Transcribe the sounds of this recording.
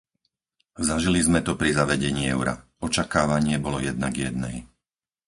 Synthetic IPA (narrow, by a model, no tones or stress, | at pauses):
zaʒilizmɛt̪ɔpɾizaʋɛɟɛɲiːɛʊɾa̰ | ɔt͡ʃakaːʋaɲɪɛbɔlɔjɛd̪naɡjɛd̪̚nɛj